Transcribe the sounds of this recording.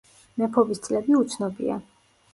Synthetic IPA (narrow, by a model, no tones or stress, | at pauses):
mɛpʰɔbist̪sʼlɛbiut̪sʰnɔbḭa̰